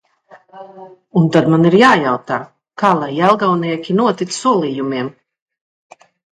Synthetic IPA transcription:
unt̪ad̪maniɾjaːjawt̪aː | kaːlˠajɛlˠɡawniɛkʲinuɔt̪it̪ssuɔlˠiːjumiɛm

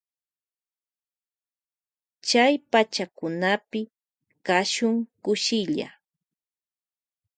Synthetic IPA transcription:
t͡ʃajpat͡ʃakʊnapɪ | kaʃʊŋkʊʃɪʎa̰

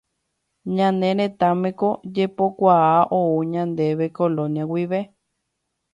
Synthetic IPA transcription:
ɲãnẽɾ̃ẽt̪amẽkod͡ʒepokʷaaʔouɲãnd̪eβekolõniãwiβe

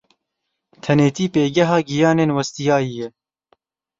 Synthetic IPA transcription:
t̪ʰɛneːt̪iːpeːɡɛɦɑːɡijɑːneːnwɐst̪ijɑːjijɛ

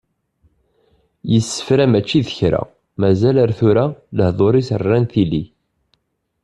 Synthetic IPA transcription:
jəsːə̥fɾæmæt͡ʃːiðəçɾæ̰ | mæzæləɾθuɾæləhðˤoɾisərːænθili

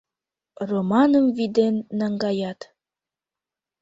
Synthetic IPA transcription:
romɑnəmvid̪enːæŋɡɑjɑt̪

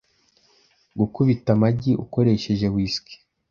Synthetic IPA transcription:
ɡukuβitamaɟiʔuko̞ɾe̞ʃe̞ʒe̞wiːski̥

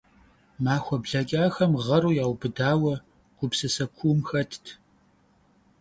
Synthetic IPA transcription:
maːxʷɔbɮɐɡʲʼaːxɐmʁɐɾuːjaːwbɨdaːwɐ | ɡ̥ʷʊpsɨsɐkʷʰumxɐtʰtʰ

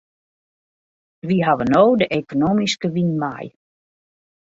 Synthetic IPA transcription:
ʋiɦaʋənowdəʔekonoːmiskəʋinma̰j

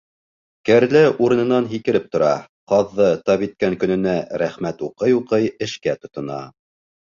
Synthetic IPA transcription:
kæɾlæʔuɾɤ̆nɤ̆nɑnɦikɘ̆ɾɘp̚t̪ŏɾɑ | qɑðːɤt̪ɑβit̪̚kæŋkɵ̆nɘ̆næɾæχmæt̪uqɤjuqɤjɘ̆ʃkæt̪ŏt̪ŏnɑ̰

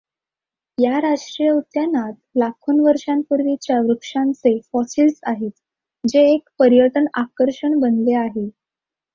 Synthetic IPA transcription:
jaɾad͡zʈɾijəut̪janat̪̚lakʰuːnʋəɾʂampuɾʋit͡ɕjaʋɾukʂãnt͡sefɔsiːlsaɦet̪ | d͡ʑeːkpəɾjəʈənakəɾʂəɳbənleaɦe

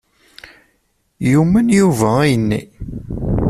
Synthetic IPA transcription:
jumənjuvæijənːḭ

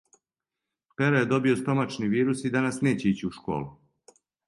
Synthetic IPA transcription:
peɾojed̪o̞bio̞st̪o̞mat͡ʃniʋiːɾusid̪anasne̞ːt͡ɕeit͡ɕiuʃko̞̰ːlu

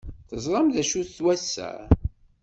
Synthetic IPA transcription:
θəzˤɾˤɑmðæʃuθθwæsːæ̰

